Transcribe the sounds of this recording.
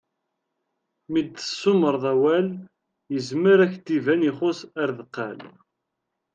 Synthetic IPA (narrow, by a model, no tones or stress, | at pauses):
mid̪θə̥sːʊməɾˤðˤæwæl | jəzməɾæçt̪ivæniχʊsæɾðqːæ̰l